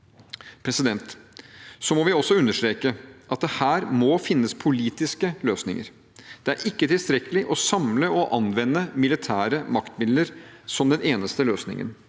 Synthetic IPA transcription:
pʰɾɛsɪd̪ɛnt̪ | sɔmɔʋɪɔsːɔʉnːəʂt̪ɾeːkəʔɑt̪̚d̪ɛhæːɾmɔfɪnːəspʰʊliːt̪ɪskəløːsnɪ̰ŋə̰ɾ | d̪̥ɛæɾʔɪkːət̪ɪlst̪ɾɛkəlɪʔɔsɑmləɔʔɑnʋɛnːəmɪlɪt̪ʰæːɾəmɑkt̪mɪd̪ləɾsɔmd̪ɛnʔeːnəst̪əløːsnɪ̰ŋə̰n

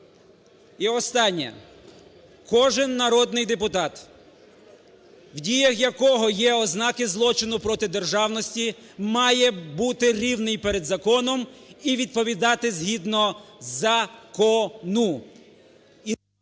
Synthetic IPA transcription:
iɔst̪ɑnʲːɐ̰ | kɔʒɪnːɐɾɔd̪nɪjd̪epʊt̪ɑt̪ | wdʲijɐxjɐkɔɦɔjɛɔznɑkɪzlˠɔt͡ʃɪnʊpɾɔt̪ɪd̪e̞rʒɑwnɔsʲtʲimɑjɛbut̪ɪɾʲiwnɪjpeɾed̪zɐkɔnɔmiʋʲid̪̚pɔʋʲid̪ɑt̪ɪzɦid̪nɔzɐkɔnu | i

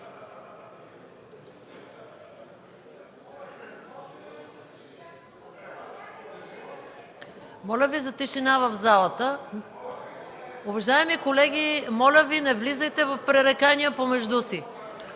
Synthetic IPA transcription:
mɔlʲəvizɐt̪iʃinavɐvzalˠət̪ə | ʊvɐʒaɛmikolɛɡʲimɔlʲəvinɛvlizɐjt̪ɛvɐfpɾɛɾɛkaniəpomɛʒd̪usi

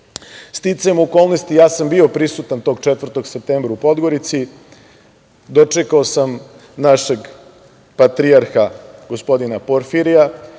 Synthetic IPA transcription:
st̪it̪saemoko̞lˠno̞st̪ijaːsambio̞pɾisut̪ant̪o̞ːɡt͡ʂet̪vɾrt̪o̞ɡsep̚t̪eːmbɾaupo̞d̪ɡo̞ɾit̪si | d̪o̞t͡ʂekaosam | naʃe̞ɡ | pat̪ɾiaɾxaɡo̞spo̞d̪inapoɾfiɾija

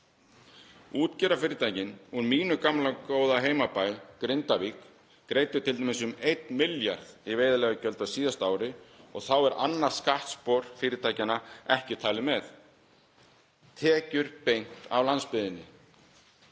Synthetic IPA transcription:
uːt̪cɛɾafɪːɾɪt̪ʰaːjcɪnunmiːnʏkamlakoːwðaɦeːjmapaːjkɾɪnt̪avikː | ɾeːjt̪ʏɾ̥t̪ʰɪlt̪emɪsʏmejt̪mɪljaɾðiveːjðalɛɣacœlt̪awsiːðast̪aːwɾɪɔɣθawɛɾʔa̰nːaɾ̥skaht̪spɔɾ̥fɪːɾɪt̪ʰaːjcanaɛhcɪt̪ʰaːlɪmɛθ | t̪ʰɛːcʏɾpejŋ̥t̪a̰vlanspɪðɪnːɪ

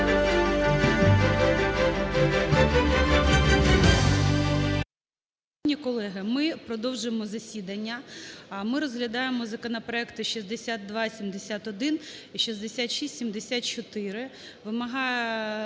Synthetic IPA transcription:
nʲikɔlˠɛɦɪmɪpɾɔd̪ɔwʒʊjemɔzɐsʲid̪ɐnʲːɐmɪɾɔzɦlʲɐd̪ɑjemɔzɐkɔnɐpɾɔɛkt̪ɪʃizd̪esʲat̪̚d̪ʋɑsʲimd̪esʲat̪ɔd̪ɪniʃizd̪esʲat̪ʃisʲtʲsʲimd̪esʲat̪̚t͡ʃɔt̪ɪɾɪ | ʋɪmɐɦɑjɛ

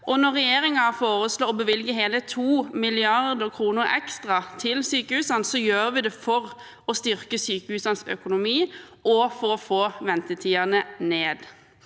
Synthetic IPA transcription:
ʔɔnɔʁɛjeːɾɪŋɑfoːɾəsloːɔbəʋɪlɡəɦeːlət̪ʰuːmɪlɪɑʁd̪əkʰɾuːnəɾɛ̰kst̪ʁɑt̪ʰɪlsyːkəhʉːsɑnsɔjøːɾəʋɪd̪ɛfɔʁ | ɔst̪ʏɾkəsyːkəhʉːsɑnsœ̰kʊnʊmiː | ɔfɔːɔfoːʋɛnt̪ət̪ʰiːɑnəneːd̪

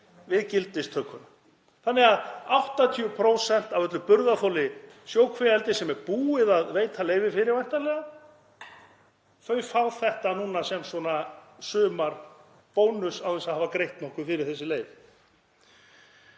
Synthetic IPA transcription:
vɪðcɪlt̪ɪst̪ʰœkʰːʏn | θanːɪɣaðawht̪at̪ʰiʏpʰɾowsɛn̥t̪avœt̪lʏpʏɾðaθowlɪ | sjoːwkʰvɛɛlt̪ɪsɛmɛɾpuːɪðaðveːjt̪ʰaleːjvɪfɪɾɪɾvajht̪alɛɣa | fœːɥfawθɛht̪anuːnasɛmswɔnasʏːmaɾ̥ | poːwnʏsawθɛnsaðhaːvakɾejht̪nɔhkʏfɪɾɪɾ̥θɛsːɪleːjv

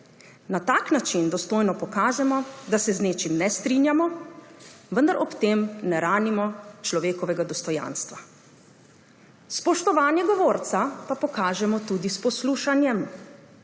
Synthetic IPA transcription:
nat̪aːknat͡ʃind̪ɔst̪oːjnɔpɔkaːʒɛmɔd̪asɛzneːt͡ʃimnɛst̪ɾinjamɔ | ʋənd̪aɾʔɔpt̪eːmnɛɾaːnimɔt͡ʃlɔʋeːkɔʋɛɡad̪ɔst̪ɔja̰ːnst̪ʋa | spɔʃt̪ɔʋaːnjɛɡɔʋoːɾt̪sapapɔkaːʒɛmɔt̪ud̪ispɔsluːʃanjɛm

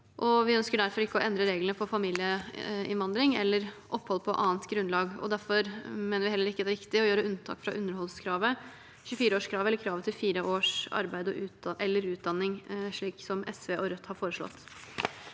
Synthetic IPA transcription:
ʔɔʋɪœnskəɖæɾfɔɾɪkːəɔʔɛnd̪ɾəɾeːɡlənəfʰɔfɑmiːlɪəɪnʋɑnd̪ɾɪŋɛlːəɾʔɔpːɔlːəpʰɔʔɑ̰ːnt̪ɡɾʉnlɑːɡɔ̰d̪æɾfɔɾmeːnəʋɪhɛlːəɾɪkːəd̪æɾɪkt̪ɪɔjøːɾəʉnt̪ʰɑ̰ːkfɾɑʔʉnːəɾɦɔlskʰɾɑːʋə | çʉfiːɾəoːʂkʰɾɑːʋɛlːəɾkʰɾɑːʋət̪ʰɪlfiːɾəʔoːʂɑ̰ɾbæɪd̪ɔʔʉːʔɛlːəɾʉːt̪̚d̪ɑnːɪŋʂɭiːksɔmɛsʋeːʔɔɾœt̪ːhɑɾfoːɾəʂlɔ̰t̪ː

